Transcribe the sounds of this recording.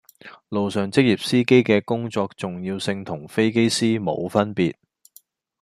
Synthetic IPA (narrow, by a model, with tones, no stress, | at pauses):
lo˨wsœː˨ŋt͡sɪ˥k̚ji˨p̚siː˥ke˥jkɛː˧kʊ˥ŋt͡sɔː˧k̚t͡sʊ˨ŋjiː˧wsɪ˧ŋt̪ʰʊ˨˩ŋfe˥jke˥jsiː˥mo̰˨˧wfɐ˥npiː˨t̚